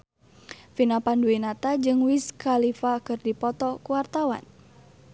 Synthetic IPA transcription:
finapanduinat̪ad͡ʒɨŋwiskalifakɨrdipɔt̪ɔkuwart̪awa̰n

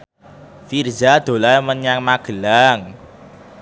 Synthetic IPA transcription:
fird͡ʒad̪̥o̤lamənjaŋmaɡ̥ə̤laŋ

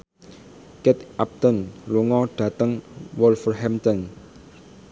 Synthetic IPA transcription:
kɛt̪ʔap̚t̪ɔnluŋɔɖ̥ä̤t̪əŋwɔlfərɦɛmt̪ɔn

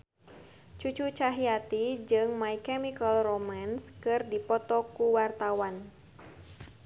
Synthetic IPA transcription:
t͡ʃut͡ʃut͡ʃaɦiat̪id͡ʒɨŋmaikɛmikalromanskɨrdipɔt̪ɔkuwart̪awan

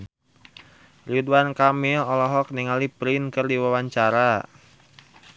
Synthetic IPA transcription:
riduankamɪlɔlɔɦɔk̚niŋalipɾinkɨrdiwawaɲt͡ʃaɾa

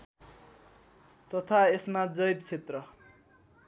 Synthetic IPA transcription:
t̪ʌt̪ʰaesmad͡zʌjb̚t͡sʰet̪rʌ

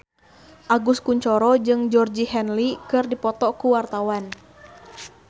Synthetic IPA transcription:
ʔaɡuskuɲt͡ʃɔɾɔd͡ʒɨŋd͡ʒɔrd͡ʒihɛnlikɨrdipɔt̪ɔkuwart̪awan

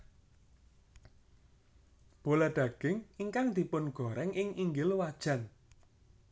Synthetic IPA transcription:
b̥o̤laɖ̥ä̤ɡ̥ɪŋiŋkaŋd̪̥i̤pʊnɡ̥ɔ̤ɾɛŋɪŋiŋɡɪlwad̥ʒ̥ä̤n

